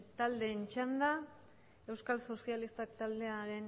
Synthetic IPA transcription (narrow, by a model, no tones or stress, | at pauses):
t̪ald̪e̞ːnt͡ʃand̪a | e̞wskalso̞sialist̪akt̪ald̪e̞aɾe̞n